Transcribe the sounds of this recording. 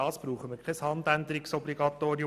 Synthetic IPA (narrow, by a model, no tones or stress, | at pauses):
ɑːsb̥ɾuːχəməɾkʰɛshɑnd̪ænd̪əɾɪksɔbliɡɑt̪oːɾiʊ